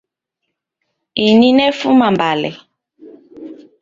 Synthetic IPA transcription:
ininɛfumambalɛ

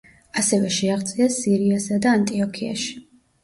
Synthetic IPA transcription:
asɛvɛʃɛaʁt̪sʼiasiɾiasad̪aːnt̪ʼiɔkʰia̰ʃi̥

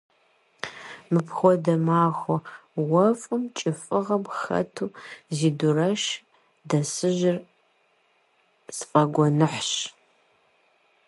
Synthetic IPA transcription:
mɨpxʷɔdɐmaːxʷɔwɐfʼɨmt͡ʃʼɪfʼɨʁɐmxɐ̰tʰuːziːdʊrɐʃ | dɐsɨʒɪr | sfʼɐɡʷɔnɨħɕ

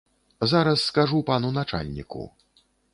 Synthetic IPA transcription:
zaɾɐsːkaʐupanunat͡ʂa̰lʲnʲḭkṵ

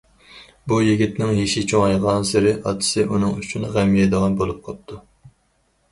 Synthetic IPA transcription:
bujiɡʲit̪nɪŋɦiʃɪt͡ʃʰoŋɑjʁɑnsɪɾɪʔɑt̪ʰɨ̥sɨunɨŋyt͡ʃʰunʁæmːijɛd̪əʁɑnbolˠup̚qʰɑp̚t̪ʰu

